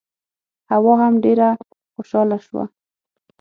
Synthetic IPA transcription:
hawɔɦamɖeɾa | xoʃɑlaʃwa̰

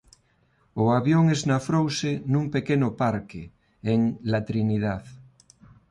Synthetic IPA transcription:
oaβjoŋeznafɾowsenumpekenʊpaɾke | eŋlat̪ɾinið̞aθ

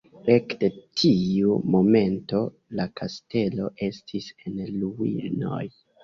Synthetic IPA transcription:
ɾekde̞tʰiumo̞me̞nto̞ | lakʰaste̞lo̞ʔe̞stʰise̞nluwḭno̞̰j

